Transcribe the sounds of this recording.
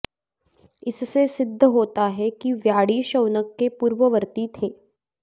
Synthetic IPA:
ɪssesɪd̪ʱːəɦoːt̪aɦɛkiʋjaːɽiʃɐwnəkːepuːɾʋəʋəɾt̪it̪ʰeː

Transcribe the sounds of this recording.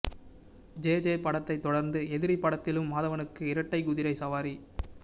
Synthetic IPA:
d͡ʒeːd͡ʒeːpɐɽɐt̪ːɐɪt̪ːɔɽɐɾnd̪ɯɛðɪɾipːɐɽɐt̪ːɪlɯmːaːðɐʋɐnɯkːɯɪɾɐʈːɐɪɡʊðɪɾɐɪsɐʋaːɾi

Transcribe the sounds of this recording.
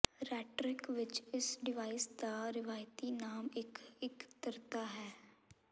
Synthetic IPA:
ɾɛːʈɾɪkʋɪt͡ʃɪsɖɪʋaːisd̪aːɾɪʋaːjt̪iːnaːmɪkɪkt̪əɾt̪aːɦɛː

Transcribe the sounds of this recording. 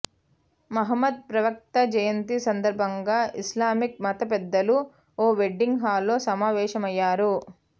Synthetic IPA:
mɐɦɐmːɐd̪̚pɾɐʋɐk̚t̪ɐd͡ʒɐjɐnt̪isɐnd̪ɐɾbʱɐŋɡaːʔislaːmik̚mɐt̪ɐp̬ɛd̪ːɐlu | oːʋeɖːiŋɡɦaːlːoːsɐmaːʋɛːʃɐmɐjːaːɾu

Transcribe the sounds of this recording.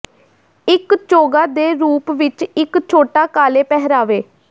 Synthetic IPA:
ɪkt͡ʃoːɡaːd̪eːɾuːpʋɪt͡ʃɪkt͡ʃʰoːʈaːkaːleːpɛɦɾaːʋeː

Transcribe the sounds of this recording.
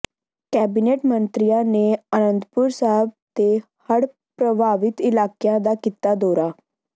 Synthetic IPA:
kɛːbiːneːʈmənt̪ɾijãːneːənənd̪pʊɾsaɦɛb̚t̪eː | həɽ | pɾəbʱaːʋɪt̪ɪlaːkijãːd̪aːkiːt̪aːd̪oːɾaː

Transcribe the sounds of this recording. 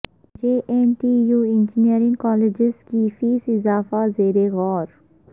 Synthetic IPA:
d͡ʒeːʔenʈiːjuːɪ̃nd͡ʒɪniəɾɪ̃ŋɡkɔːleːd͡ʒɪzkifiːsɪzaːfazeːɾeɣɔːɾ

